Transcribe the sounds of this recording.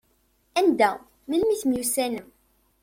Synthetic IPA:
ænd̪æ | milmiθmjusænəm

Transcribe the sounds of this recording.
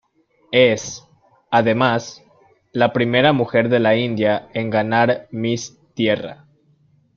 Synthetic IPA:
e̞s | aðe̞mas | lapɾime̞ɾamuxe̞ɾðe̞laind̪jae̞ŋɡanaɾmis | t̪je̞ra̰

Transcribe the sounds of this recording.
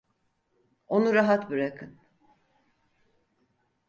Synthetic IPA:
onuɾaɦat̪bɯɾakʰɯn

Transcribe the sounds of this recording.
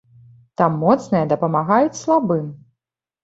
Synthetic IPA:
t̪amːɔt̪snɨjɐd̪ɐpɐmaɣajut͡sʲslˠabɨm

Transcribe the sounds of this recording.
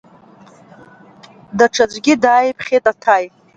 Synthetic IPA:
daʈ͡ʂʰad͡ʒʷɡʲɪdaːjpʰχʲetʼatʰaj

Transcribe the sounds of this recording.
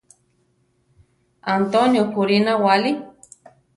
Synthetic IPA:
ant̪onjokuɾinawali

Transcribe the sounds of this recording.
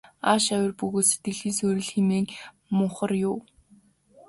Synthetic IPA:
aʃæwʲɪ̆rpɵɣoːt̪set̪ɡɘ̆ɮiːsɵːɾɘ̆ɮximeːŋ | mʊχə̆rjʊw

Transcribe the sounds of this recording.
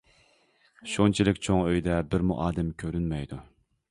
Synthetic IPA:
ʃont͡ʃʰilɪkʲt͡ʃʰoŋøjd̪ɛbɪɾmṵʔɑːd̪ɛmkʲʰøɾynmɛjd̪u

